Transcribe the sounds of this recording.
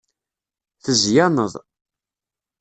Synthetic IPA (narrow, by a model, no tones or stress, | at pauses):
θəzjanəðˤ